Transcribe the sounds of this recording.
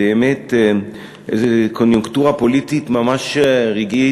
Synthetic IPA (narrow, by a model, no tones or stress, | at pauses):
eɛmet̪ | ḛzekʰonjuŋkt̪uːʁapolit̪it̪mamaʃʁeɡi